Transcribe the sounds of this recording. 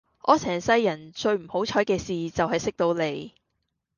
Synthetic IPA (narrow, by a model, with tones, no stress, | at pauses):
ʔɔː˨˧˥t͡sʰɛː˨˩nsɐ˥jːɐ˨˩nt͡ʃɵ˧ɥm̩˨˩ho˨˥wt͡ʃʰɔː˨˥jkɛː˧siː˨˩t͡sɐ˨wɦɐ˨jsɪ˥k̚t̪o˨˧wne˨˧j